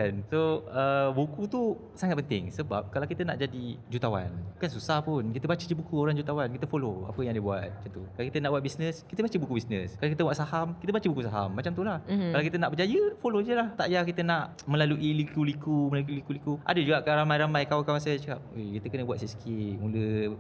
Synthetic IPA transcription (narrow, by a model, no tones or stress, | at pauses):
ansoəbukut̪u | saŋat̪̚pənt̪ɪ̰ŋsəba̰p̚kalawkit̪əna̰ʔd͡ʒadid͡ʒut̪awa̰nukansusahpʊnkit̪əbat͡ʃəd͡ʒəbukuoɾaŋd͡ʒut̪awankit̪əfoloa̰pəjãŋdəbuat̪̚mad͡ʒat̪ukalawkit̪ənaʔbuat̪̚bisnəskit̪əbat͡ʃəbukubisnəskalakit̪əbwat̪̚sahamkit̪əbat͡ʃəbukusaɦa̰mːat͡ʃamt̪ulahalawkit̪ənaʔbəd͡ʒajəfolod͡ʒəlaht̪aʔjakit̪ənaʔ | mə̃laluʔilikulikuməlaluilikulikuʔa̰dəd͡ʒuɡakaɾamajɾamãjkawakawas̬at͡ʃəkap̚ejkit̪əkənəbuat̪̚siskʰimulə